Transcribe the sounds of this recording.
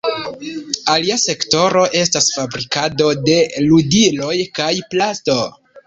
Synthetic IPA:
aliase̞kto̞ɾo̞ʔe̞stasfabɾikado̞de̞ludilo̞jkajplasto̞

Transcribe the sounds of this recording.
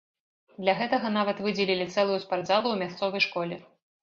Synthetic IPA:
d̪lʲɐɣɛt̪ɐɣɐnavɐt̪vɨd͡zʲɛlʲilʲit̪sɛlˠujuspaɾd̪zalˠuwmʲast̪sɔvɐjʂkɔlʲɛ

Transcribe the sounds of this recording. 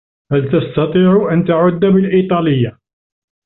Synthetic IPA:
hælt̪ɑst̪ɑt̪ˤiːʕʊʔant̪aʕʊd̪ːabɪlʔit̪ˤɑːlɪjːa

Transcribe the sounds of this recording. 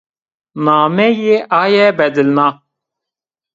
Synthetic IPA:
naːmɛjeʔaːjɛbɛd̪ɨlnaː

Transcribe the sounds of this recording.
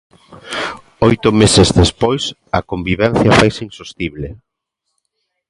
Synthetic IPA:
ojt̪ʊmesezðespojs | ɐkombiβɛn̟θjɐfajsinsost̪iβle

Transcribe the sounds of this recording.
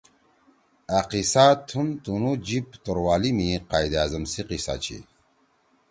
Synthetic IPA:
aqisat̪ʰunt̪unud͡ʑipt̪oɾwaːlimiqaːjd̪azɐmsiqisa̰ːt͡ɕʰḭ

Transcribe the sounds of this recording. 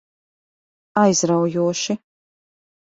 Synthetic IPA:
ajzɾawjuɔʃi

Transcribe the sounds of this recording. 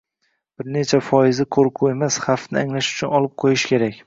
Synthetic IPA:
b̥ɪɾne̞t͡ʃʰafɒjɪzɪqʰoɾqʰue̞masχafnɪaŋlaʃʊ̥t͡ʃʰʊnɒlˠɪp̚qʰojɪʃkʲʰe̞ɾakʲ

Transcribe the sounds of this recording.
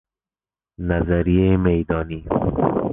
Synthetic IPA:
nazaɾijemejd̪ɒːniː

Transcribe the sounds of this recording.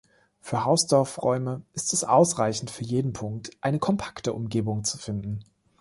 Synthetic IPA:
fyːɐɦaʊsd̥ɔɐfʁɔʏməʔɪstɛsʔa̰ʊsʁaɪçn̩tfyːɐjeːdn̩pʰʊŋk̚tʔaɪnəkʰɔmpʰḁktəʔʊmɡeːbʊŋt͡su̥fɪndn̩

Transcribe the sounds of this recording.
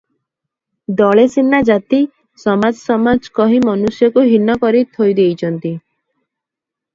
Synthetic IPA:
d̪ɔɭesinːad͡ʒat̪i | sɔmad͡ʒsɔmad͡ʒkɔɦimɔnusjɔkuɦinːɔkɔɾit̪ʰojd̪ejt͡ʃʰɔnt̪i

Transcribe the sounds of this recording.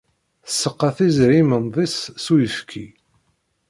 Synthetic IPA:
θəsːəqːɑθizɾimənðˤisːujəfkʰi

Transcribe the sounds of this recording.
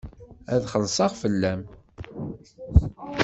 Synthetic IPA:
æðχəlsˤɑʁfəlːæm

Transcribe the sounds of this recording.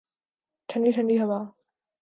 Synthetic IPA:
ʈʰəɳɖiːʈʰɐɳɖiːɦɐbaː

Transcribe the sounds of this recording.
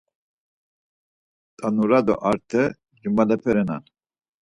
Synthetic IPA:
t̪ʼanuɾad̪ɔ̰ʔaɾt̪ʰɛ | d͡ʒimalɛpʰɛɾɛna̰n

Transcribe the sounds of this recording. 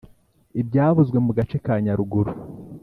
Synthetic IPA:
ibɟaːβuzɡwe̞muɡat͡ʃe̞kaːɲaɾuɡuɾu

